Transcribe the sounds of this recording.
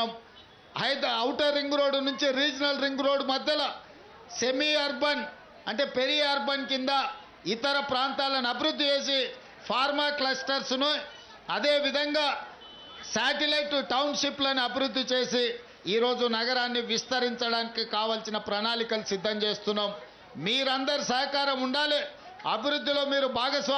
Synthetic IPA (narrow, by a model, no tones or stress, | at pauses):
m | ɐjd̪ɐɐwʈɐɾːiŋɡɾo̞ːɽnuɲt͡ʃiɾiːd͡ʒinɐlɾiŋɡɾo̞ːɽmɐd̪ʱjɐlɐ | se̞miɐɾbɐn | ɐɳʈe̞ːpe̞ɾiɐɾbɐnkind̪ɐ | it̪ɐɾɐpɾaːnt̪aːlɐniɐbiɾud̪ʱːit͡ʃe̞ːs̬i | pʰaːɾmaːklɐsʈɐɾsnu | ɐd̪e̞ːʋid̪ʱɐŋɡaː | saːʈilɐjʈʈɐwnʃiplɐniɐbʱiɾud̪ːit͡ʃe̞ːsi | iːɾo̞ːd͡ʒunɐɡɐɾaːnːiʋist̪ɐɾiɲt͡ʃɐɽaːnikikaːʋɐːlsinɐpɾɐnaːlikɐlusid̪ʱːɐmt͡ʃe̞ːst̪unːaːm | miːɾɐnd̪ɐɾisɐɦɐkaːɾɐmuɳɖaːli | ɐbʱiɾud̪ːilo̞ːmiːɾubʱaːɡɐs